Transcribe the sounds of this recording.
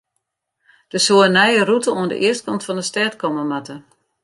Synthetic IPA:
d̥əsoːənɛjərutəoəndə̰ʔɪəst̚kɔntfɔndəstɛtkɔməmatə

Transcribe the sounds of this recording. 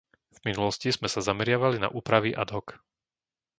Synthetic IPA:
v̥minulɔscizmɛsazamɛɾɪaʋalina̰ʔuːpɾaʋiʔa̰d̪ɦɔk

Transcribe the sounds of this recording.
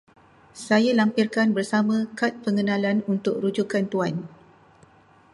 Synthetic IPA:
sajalampirkanbərsamãkat̪̚pəŋənãlanunt̪ʊkrud͡ʒukant̪uan

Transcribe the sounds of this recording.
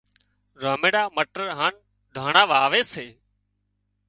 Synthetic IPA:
ɾaːmeːɽaːməʈəɾɦaːn | d̪ʱaːɳaːʋaːʋeːseː

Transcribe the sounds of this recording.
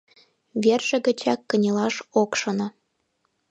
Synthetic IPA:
βerʒ̥ĕɣə̆t͡ɕɑkːə̆nʲelɑʃokʃɤ̆nŏ

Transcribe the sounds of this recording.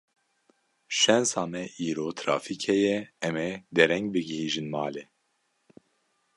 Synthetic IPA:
ʃɛnsɑːmɛʔiːɾoːt̪ʰɾɑ̰ːfikʰhɛjɛɛmɛd̪ɛɾɛŋɡ̚bɨɡɪhiːʒɨnmɑːle

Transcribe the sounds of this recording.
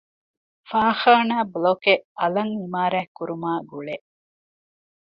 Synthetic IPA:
faːxaːnaːblokeɐlɐŋimaːɾæːkːuɾumaːɡuɭe

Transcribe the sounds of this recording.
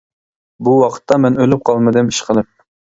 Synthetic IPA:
buwɑqʰə̥t̪ʰːɑmɛnølyp̚qʰɑlˠmɨd̪ɨmi̥ʃqʰəlˠɨp̚

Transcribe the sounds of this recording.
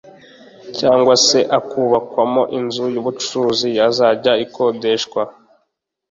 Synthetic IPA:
caːŋɡwase̞ʔakuβakwamo̞ʔinzujuβut͡ʃuzijazaːɟaikʰo̞de̞ʃkwa

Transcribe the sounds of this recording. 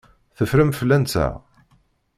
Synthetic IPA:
θəfɾəmfəlːænt͡sæ̰

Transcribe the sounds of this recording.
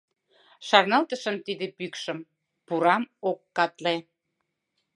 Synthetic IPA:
ʃɑrnɑlt̪əʃəmt̪id̪ĕpykʃəm | puɾɑmokːɑt̪le

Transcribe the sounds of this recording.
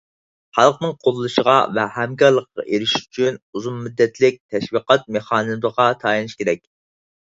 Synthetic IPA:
χɑlˠqnɨŋqʰolˠlːˠuʃəʁɑ̰vɛhɛmkʲɑɾlˠəqːɑ̰ʔeɾɪʃy̥t͡ʃʰynuzunmyd̪ːɛt̪lɪk̚ʲt̪ʰɛʃwiqɑt̪̚meχɑːnɨzlˠəʁɑt̪ʰɑːjinɨʃkʲeɾɛkʲ

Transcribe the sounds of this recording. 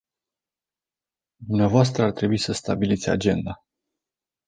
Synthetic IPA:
d̪umneavoas̬t̪ɾəart̪ɾe̞buisəst̪abilit̪sʲa̰d͡ʒe̞nd̪a

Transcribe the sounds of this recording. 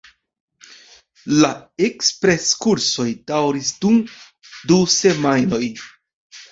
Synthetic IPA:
laekspɾe̞skuɾso̞jdawɾisdum | duse̞majno̞j

